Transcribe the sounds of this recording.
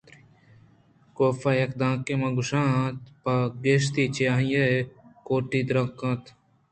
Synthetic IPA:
koːfɐjɐkd̪ãːkemɐ̃ɡʊʃãːt̪paɡeʃt̪it͡ʃjaːɦjekoːʈid̪ɾɐ̃kɐ̃t̪

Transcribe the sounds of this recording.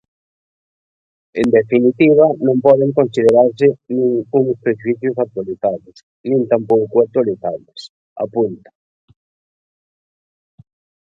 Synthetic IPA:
end̪efinit̪iβanõmpɔðeŋkõnsið̞eɾaɾs̬ɪnĩŋuŋspɾeʃwiθjʊsat̪waliθaβʊs | nĩnt̪ampowkuat̪waliθaβes | a̰punt̪ḁ

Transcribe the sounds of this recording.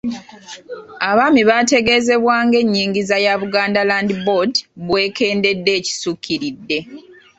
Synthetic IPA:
aβaːmiβate̞ɡe̞ːze̞βwaːŋɡe̞ɲːiːŋɡizajaβuɡaːndalaːndibodβwe̞ːke̞ːnde̞dːe̞ːci̥sukʰːiɾidːe̞

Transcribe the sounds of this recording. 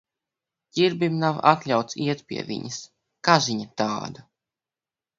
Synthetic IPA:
ɟiɾbimnava̰t̪lʲawt̪siɛt̪pʲḭɛvʲḭɲɐs | kaʒiɲat̪a̰ːd̪a

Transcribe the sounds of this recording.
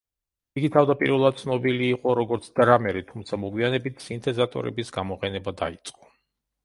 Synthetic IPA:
iɡit̪ʰavd̪apʼḭɾvɛlˠad̪̚t̪sʰnɔbiliːqʼɔɾɔɡɔɾt̪sʰd̪ɾamɛɾit̪ʰumt̪sʰamɔɡwianɛbit̪ʰsint̪ʰɛzat̪ʼɔ̰ɾɛ̰bisɡamɔqʼɛnɛbad̪ait̪sʼqʼɔ̥

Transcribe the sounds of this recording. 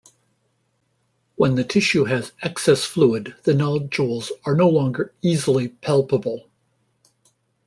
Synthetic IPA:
wə̃nðɨtʰɪʃʉɨzɛksɛsfluɪd̪̚ðɨnɑlˠd͡ʒulˠzə˞noʊlɔ̃ŋɡə˞izl̩ˠipʰælˠpəbl̩ˠ

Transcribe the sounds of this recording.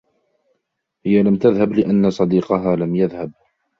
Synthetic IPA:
hɪjalamt̪aðhablɪʔanːasˤɑd̪iːqɑɦaːlamjaðhab̚

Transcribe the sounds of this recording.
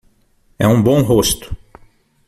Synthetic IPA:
ɛũbõw̃ɦost̪ʊ̥

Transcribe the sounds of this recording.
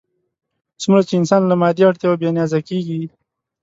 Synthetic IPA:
sumɾat͡ʃeɪnsɑːnlamɑːd̪iaʈt̪jawabjanjaːzakeːɡi

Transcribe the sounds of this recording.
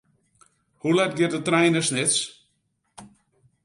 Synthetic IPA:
hulɛt̚ɡɪtdətrɛjnəsnɪts

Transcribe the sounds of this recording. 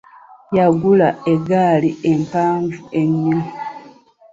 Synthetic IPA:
jaɡulaeɡaːliempaːɱvue̞ɲːimi

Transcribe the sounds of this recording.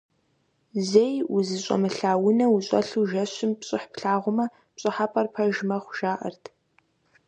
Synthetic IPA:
zejʊzɨɕʼɔ̰mɨɬaːwʊnɐwʊɕʼɐ̰ɬuːʒɐɕɪmpɕʼɪħpɬaːʁʷʊmɐ | pɕʼɨħaːpʰʼɐrpʰɐʒmɐχʷʊʒ̥aːʔɐ̰rtʰ

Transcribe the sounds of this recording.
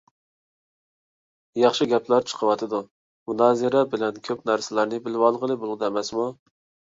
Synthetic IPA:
jɑχʃɪɡʲɛplæɾt͡ʃʰə̥qʰəwɑt̪ʰɨd̪u | munɑːzɨɾɛbɪlɛnkʲʰøpnæɾsɪlæɾnɪbɪlwɑlˠʁəlˠɨbolˠɨd̪ɛmɛsmu

